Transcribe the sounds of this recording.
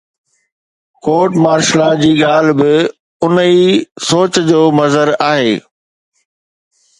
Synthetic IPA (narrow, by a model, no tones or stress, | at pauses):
koːʈmaːɾʃlad͡ʑiːɠaːl̤bɪ | ʊnisoːt͡ɕd͡ʑoːmɐzəɾaːɦeː